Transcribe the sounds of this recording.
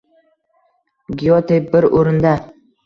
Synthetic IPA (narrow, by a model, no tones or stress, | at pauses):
ɡʲijot̪ebɪɾoɾɪnd̪a